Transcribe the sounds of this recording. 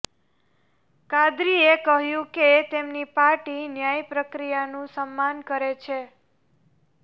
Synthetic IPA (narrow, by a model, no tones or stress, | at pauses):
kad̪ɾiekəɦjũket̪emnipaɾʈinjajpɾəkɾijanũsəmːankəɾet͡ʃʰe